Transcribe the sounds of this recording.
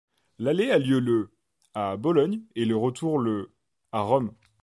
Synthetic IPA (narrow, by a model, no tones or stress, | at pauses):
lalealjølə | abɔlɔɲeləʁət̪ʰuʁlə | aʁɔm